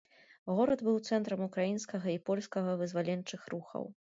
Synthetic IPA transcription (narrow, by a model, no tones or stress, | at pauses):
ɣɔɾɐd̪bɨwt̪sɛnt̪ɾɐmukɾajinskɐɣɐipɔlʲskɐɣɐvɨzvalʲɛnt͡ʂɨxɾuxɐ̰w